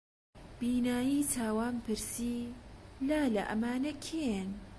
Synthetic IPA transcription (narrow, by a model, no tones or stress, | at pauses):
b̥iːnaːjiːt̪ʰaːwaːmpʰɨɾsiːlaːlɐ̰ʔɐ̰maːnɐkʰen